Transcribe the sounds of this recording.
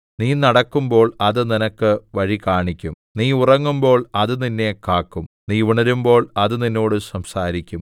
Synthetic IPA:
niːnɐɽɐkːumbo̞ːɭɐðɨninɐkːɨʋɐɻikaːɳikʲːum | niːurɐŋːumbo̞ːɭɐðɨninːe̞kaːkːum | niːʋuɳɐɾumbo̞ːɭɐðɨninːo̞ːɽɨsɐmsaːɾikʲːum

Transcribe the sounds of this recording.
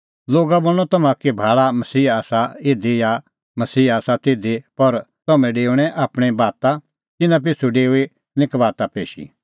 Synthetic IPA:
loːɡaboːɭ̃ɔt̪ɐmãkibʱaːɭamɐsiːaːsaed̪eja | mɐsiːaːsat̪eːd̪epɐɾ | t̪ɐmɛ̃ɖeːʊɽ̃ɛ̃ʔaːpɽ̃ɛbaːt̪ã | t̪ɪnãp̬ɪt͡ʃʰuɖeːui | nɪ̃kbaːt̪apeːʃḭ

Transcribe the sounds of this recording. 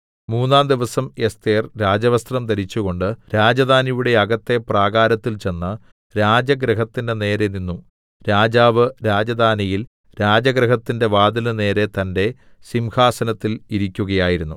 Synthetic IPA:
muːnːaːnd̪iʋɐsɐmest̪eːrɾaːd͡ʑɐʋɐst̪rɐmt̪ɐɾit͡ɕːuɣo̞ɳɖɨɾaːd͡ʑɐd̪ʱaːnijuɽe̞ɐɡɐt̪ːe̞praːɣaːɾɐt̪ːilt͡ɕe̞nːɐ | ɾaːd͡ʑɐɡɾɨɦɐt̪ːinde̞ne̞ːɾe̞ninːum | ɾaːd͡ʑaːʋɨɾaːd͡ʑɐd̪ʱaːnijil | ɾaːd͡ʑɐɡɾɐɦɐt̪ːinde̞ʋaːd̪ɐlɨne̞ːɾe̞t̪ɐnde̞ | simhaːsɐnɐt̪ːiliɾikʲːuɣɐjaːjiɾunːu

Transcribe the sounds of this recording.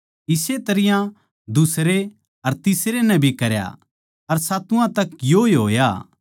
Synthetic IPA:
ɪset̪ɐɾɪjã | d̪ʊsɾe | ɐɾt̪ɪsɾenɛ̃bʱikɐɾja̰ | ɐɾsaːt̪ʊãt̪ɐkjoeɦoːja̰

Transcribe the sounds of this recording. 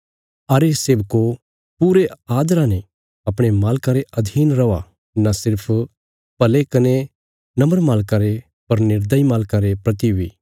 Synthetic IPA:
ɐɾesebko | puɾeaːd̪ɾãne | ɐpɽ̃emaːlkaɾeɐd̪ʱiːnɾɐʋa | nasɪɾpʰ | pɐlekɐne | nɐ̃məɾmaːlkaɾe | pɐɾnɪɾd̪əimaːlkaɾepɾɐt̪iʋi

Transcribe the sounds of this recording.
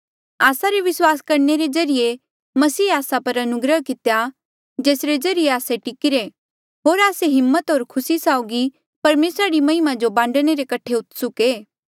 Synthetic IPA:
aːsaɾeʋɪswaːskɐɾneɾed͡ʒɐɾije | mɐsiːaːsapɐɾɐnʊɡɾəɦkɪt̪eja | d͡ʒeːsɾed͡ʒɐɾijeaːseʈɪkɪɾe | ɦoːɾaːseɦɪmːət̪ɦoːɾkʰʊsisaːʊɡi | pɐɾmeːsɾaɾimɐɪmãd͡ʒobãːɳɖɽ̃eɾekɐʈʰeʊt̪sʊkeː

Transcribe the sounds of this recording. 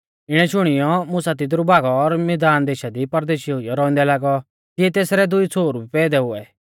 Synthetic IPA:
ɪɽ̃ɛʃʊɽ̃ɪjɔmʊsat̪̬ɪt̪ɾubʱaːɡɔːɾmɛd̪aːnd̪eːʃad̪ipɐɾd̪eːʃiʊijɔɾɔːɪ̃nd̪ɛlaːɡɔ | t̪ɪɛt̪eːsɾɛd̪ʊit͡sʰoːɾubipɛd̪ɛɦʊɛ

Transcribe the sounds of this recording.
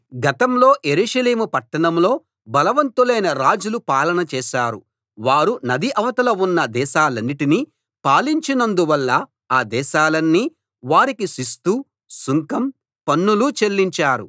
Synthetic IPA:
ɡɐt̪ɐmlo̞ːʔje̞ɾuːʂɐleːmupɐʈːɐɳɐmlo̞ː | bɐlɐʋɐnt̪ulɐjnɐɾaːd͡ʒulupaːlɐnɐt͡ʃɛːʃaːɾṵ | ʋaːɾunɐd̪iʔɐʋɐt̪ɐlɐunːɐd̪ɛːʃaːlɐnːiʈini | paːliɲt͡ʃinɐnd̪uʋɐlːɐ | aːd̪ɛːʃaːlɐnːi | ʋaːɾikisist̪u | suŋkɐm | pɐnːulut͡ʃe̞lːiɲt͡ʃaːɾu

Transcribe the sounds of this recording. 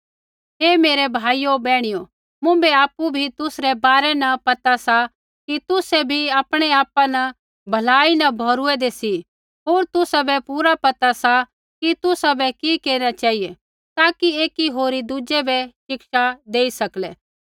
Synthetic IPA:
ɦeːmeːɾebʱaːijobɛːɽ̃ijo | mʊ̃bɛaːpːubʱit̪ʊsɾɛbaːɾɛnɐpɐt̪asa | kit̪ʊsɛbʱiaːpɽ̃eaːpanɐ | bʱɐlaːinɐbʱoːɾuɛd̪esi | ɦoːɾt̪ʊsabɛpuːɾapɐt̪asa | kit̪ʊsabɛkikeːɾinat͡ʃaːɦije | t̪aːkieːkiɦoːɾid̪uːd͡ʒɛbɛʃɪkʃad̪eːisɐklɛː

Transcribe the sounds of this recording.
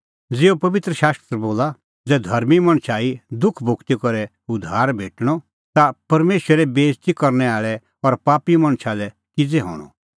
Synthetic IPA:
d͡zɪopɐʋɪt̪ɾəʃaːst̪ɾboːla | d͡zɛːd̪ʱɐɾmimɐ̃ɽ̃sʰaːid̪ʊkʰbʱʊkt̪ikɔɾɛ | ʊd̪ʱaːɾbʱeːʈɽ̃ɔ | t̪apɐɾmeːʃwəɾɛbeːst̪ikɐɾnɛaːɭɛ | ɔɾpaːpimɐ̃ɽ̃sʰalɛ | kɪd͡zɛɦɔ̰ːɽ̃ɔ̰

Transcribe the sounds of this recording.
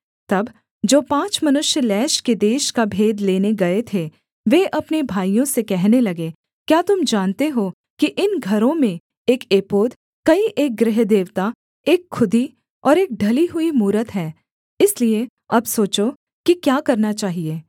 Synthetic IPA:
t̪ɐb | d͡ʒoːpãːt͡ʃmɐnʊʃjəlɛːʃked̪eːʃkabʱeːd̪leːneɡɐet̪ʰe | ʋeʔɐpnebʱaːijõsekɛɦnelɐɡe | kjaːt̪ʊmd͡ʒaːnt̪eɦo | kiʔɪnɡʱɐɾõmẽ | eːkeːpoːd̪ | kɐiʔeːk̚ɡɾɪɦd̪eːʋt̪a | eːkʰːʊd̪i | ɔːɾeːk̚ɖʱɐliɦʊimuːɾət̪ɦɛː | ɪslie | ɐbsoːt͡ʃo | kikjaːkɐɾnat͡ʃaːɦieː

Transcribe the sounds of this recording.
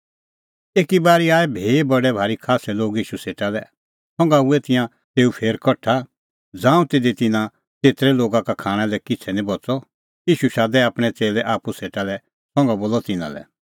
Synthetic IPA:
eːkibaːɾiaːɛbʱeːbɐɽɛbʱaːɾikʰaːsɛloːɡiːʃuseːʈalɛ | sɔ̃ŋ̆ɡauɛt̪ɪ̃jã | t̪eːupʰeːɾkɔʈʰa | d͡zãːũt̪eːd̪it̪ɪnã | t͡seːt̪ɾɛloːɡakakʰaːɽ̃ɛ̃lɛkɪt͡sʰɛnĩbɔt͡sɔ | iːʃuʃaːd̪ɛaːpɽ̃ɛt͡seːlɛʔaːpuseːʈalɛ | sɔ̃ŋɡaboːlɔt̪ɪnã̰lɛ̰

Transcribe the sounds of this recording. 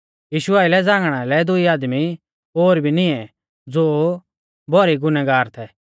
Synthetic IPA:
jiːʃʊaːɪlɛd͡zãːŋɡɽ̃alɛd̪ʊiaːd̪mi | oːɾbʱinɪ̃ɛ | d͡zoː | bʱɔɾiɡʊnɛɡaːɾt̪ʰɛ

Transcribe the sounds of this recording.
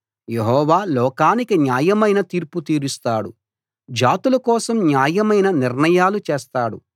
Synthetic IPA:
jeɦɔːʋaːlɔːkaːnikinjaːjɐmɐjnɐt̪iːɾput̪iːɾist̪aːɽu | d͡ʒaːt̪ulɐkɔːsɐmnjaːjɐmɐjnɐniɾnɐjaːlut͡ʃeːst̪aːɽṵ

